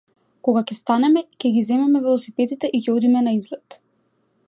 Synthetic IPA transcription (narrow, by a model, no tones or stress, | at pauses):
kɔɡakɛst̪anɛmɛcʲɛɡʲizɛmɛmɛvɛlˠɔsipɛd̪it̪ɛʔicɛod̪imɛnaizlɛt̪